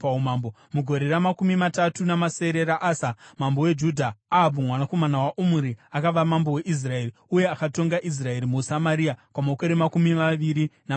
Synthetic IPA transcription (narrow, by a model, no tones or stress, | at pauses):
aumambo | muɡʱo̞ɾe̞ɾamakumimatatunamase̞ɾe̞ɾaʔasamambowe̞d͡ʒudʱaːbumwanako̞manawaʔumuɾiakaʋamambo̞weʔis̬rae̞riuje̞akato̞ŋɡaʔis̬rae̞ɾimusamaɾiakamakoɾemakumimaʋiɾina